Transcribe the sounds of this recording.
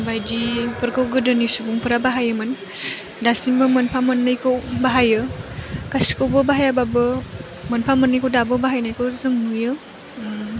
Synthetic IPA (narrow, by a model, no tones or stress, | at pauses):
bajdipɯɾkʰɯwɡɯdɯnisubuŋpʰɯɾabaɦajɯmɯn | dasinbɯmɯnpʰamɯnːɯjkʰɯwbaɦajɯkasi̥kʰɯwbɯbaɦajababɯ | mɯnpʰamɯnːɯjkʰɯwdabɯbaɦajnajkɯwzɯŋmujɯ